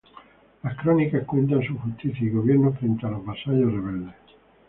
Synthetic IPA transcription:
laskɾɔnikahkwunt̪ansuxust̪iθjaiɣoβjɛɾnofɾent̪alovasaʎoreβɛld̪e

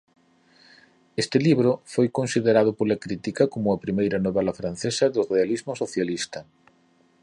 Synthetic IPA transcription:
est̪ɪliβɾʊfojkonsiðeɾað̞ʊpolɐkɾit̪ikɐkomʊɐpɾimejɾɐnoβɛlɐfɾan̟θesɐðʊrealizmʊsoθjalist̪ɐ

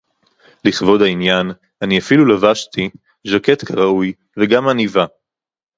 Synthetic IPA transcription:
liχvo̞dainjan | aniafilulavaʃti | ʒake̞t̪kʰaʁauj | veɡamaniva

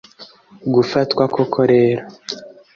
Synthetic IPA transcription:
ɡufatkwakʰokʰoɾeːɾa

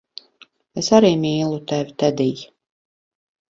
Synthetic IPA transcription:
esaɾiːmʲiːlˠut̪ɛvʲit̪ɛd̪iː

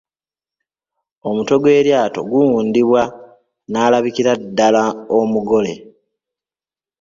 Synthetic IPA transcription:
o̞muto̞ɡwe̞ːɾjaːto̞̰ɡuwuːndiβwa | naːlaβikiɾadːalaomuɡo̞le̞̰

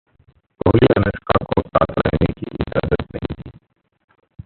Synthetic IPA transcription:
bʱoːliːənəskaːkoːt̪aːt̪ɾɛɦneːkiʔɪd͡ʒaːd̪ət̪nəɦĩt̪iː

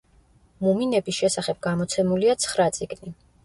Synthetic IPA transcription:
muminɛbisʃɛsaχɛb̥̚ɡamɔt̪sʰɛmuliat̪sʰχɾat̪sʼiɡni

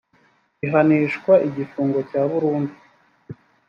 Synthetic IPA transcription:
iɦaniʃkwaʔiɟifuːŋɡo̞caːβuɾuːndi

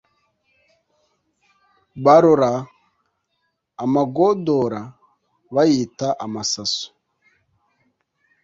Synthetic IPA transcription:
βaɾoɾa | maɡodoɾa | βajitaʔamasaso̥

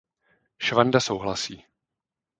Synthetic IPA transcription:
ʃvandasowɦlasiː

